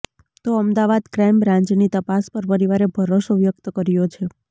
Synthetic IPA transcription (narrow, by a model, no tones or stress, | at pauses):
t̪oəmd̪aʋad̪kɾajmbɾãɲd͡ʒnit̪əpaspəɾpəɾiʋaɾebʱəɾoʃoʋjək̚t̪əkəɾjot͡ʃʰe